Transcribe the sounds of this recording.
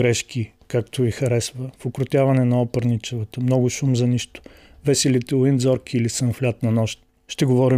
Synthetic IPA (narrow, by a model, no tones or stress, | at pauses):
ɾɛʃk̟i | kakt̪ʊvixɐɾɛsvəfokɾʊt̪ʲjavɐnɛnɐɔpəɾnit͡ʃɛvət̪əmnɔɡʊʃumzɐniʃt̪ʊ̥ | vɛsɛlit̪ɛlˠind̪zɔɾkʰiːlisənflʲat̪nɐnɔʃt̪ | ʃt̪ɛɡovɔɾi